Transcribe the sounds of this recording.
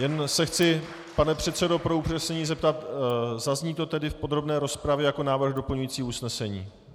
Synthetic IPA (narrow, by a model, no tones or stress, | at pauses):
jɛnsɛxt͡sɪ | panɛpr̝̥ɛt̪sɛdo̞pɾo̞upr̥ɛsɛɲiːzɛp̚t̪at̪zazɲiːt̪o̞t̪ɛdɪfpo̞d̪ɾo̞bnɛːɾo̞spɾavjɛjako̞naːvr̩ɣdo̞pl̩ɲujiːt͡siːusnɛsɛɲiː